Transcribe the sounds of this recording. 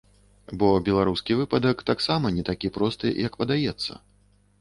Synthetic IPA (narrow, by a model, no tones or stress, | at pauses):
bɔbʲɛlˠaɾuskʲivɨpɐd̪ɐkt̪aksamɐnʲɛt̪akʲipɾɔst̪ɨ̰jɐkpɐd̪ajɛt̪sːɐ̰